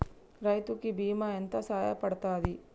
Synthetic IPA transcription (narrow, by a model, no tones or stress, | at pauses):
ɾɐjt̪ukibiːmɐent̪ɐsaːjɐ̰pɐɽt̪aːd̪i